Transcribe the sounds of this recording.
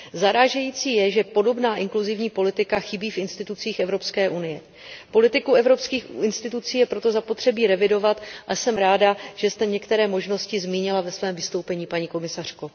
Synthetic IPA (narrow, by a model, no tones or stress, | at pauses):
zaɾaːʒɛjiːt͡siːjɛʒɛpo̞do̞bnaːʔɪŋkluzɪvɲiːpo̞lɪt̪ɪkaxɪbiːfʔɪnst̪ɪt̪ut͡siːxʔɛvɾo̞pskɛːʔunɪjɛ | po̞lɪt̪ɪkuɛvɾo̞pskiːxɪnst̪ɪt̪ut͡siːjɛpɾo̞t̪o̞zapo̞t̪r̝̥ɛbiːɾɛvɪdo̞vat̪ʔasɛmɾaːdaʒ̥ɛst̪ɛɲɛkt̪ɛɾɛːmo̞ʒno̞scɪzmiːɲɪlavɛsvɛːmvɪst̪owpɛɲiːpaɲiːko̞mɪsar̝̥ko